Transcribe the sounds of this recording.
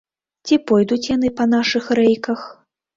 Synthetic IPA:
t͡sʲipɔjd̪ut͡sʲjan̪ɨpɐn̪aʂɨxɾɛjkɐx

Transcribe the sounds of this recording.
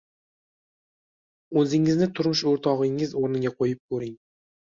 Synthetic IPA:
ɵzɪŋɪznɪt̪ʰʊɾmʊʃoɾt̪ʰɒʁɪŋɪzoɾnɪɡʲaqʰojɪp̚kʰɵɾɪŋ

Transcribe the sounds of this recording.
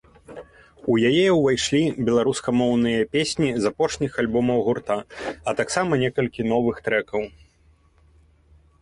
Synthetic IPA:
ujajɛwvajʂlʲibʲɛlˠaɾuskɐmɔwnɨjɐpʲesʲnʲizapɔʂnʲixalʲbɔmɐwɣurt̪aɐt̪aksamɐnʲɛkɐlʲkʲin̪ɔvɨxt̪ɾɛkɐw

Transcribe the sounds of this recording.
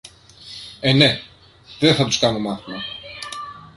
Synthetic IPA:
ene | ðeθɐt̪u̥skanomɐθmɐ

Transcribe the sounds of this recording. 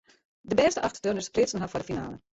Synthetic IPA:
dəbɛːstəʔɑxtdønəsplɪsən̩ɦɑfɔdəfina̰ːlə̰

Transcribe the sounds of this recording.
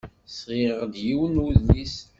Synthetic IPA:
sʁiʁd̪jiwənuðlis

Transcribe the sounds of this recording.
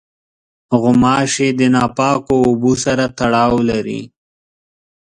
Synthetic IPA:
ɣʊmɑːʃed̪ənɑpɑːkoːbusaɾat̪aɽɑːwlaɾḭ

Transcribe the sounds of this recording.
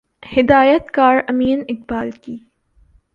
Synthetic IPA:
hɪd̪aːjət̪kaːɾɐmiːnɪqbaːlkiː

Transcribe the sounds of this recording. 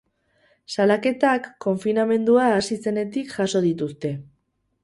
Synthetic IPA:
salake̞t̪akːo̞ɱfiname̞nd̪uaːsise̞ne̞t̪ikʝaso̞ð̞it̪̬ust̪e̞

